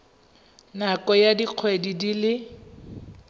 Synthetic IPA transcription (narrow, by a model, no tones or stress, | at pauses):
nakɔjadiq͡χʰwedidilɪ